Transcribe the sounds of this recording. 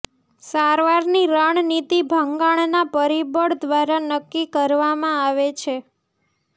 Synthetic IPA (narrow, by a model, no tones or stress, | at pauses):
saɾʋaɾniɾaɳ̃nit̪ibʱəŋɡaɳnapəɾibəɽd̪ʋaɾanəkːikəɾʋamãaʋet͡ʃʰe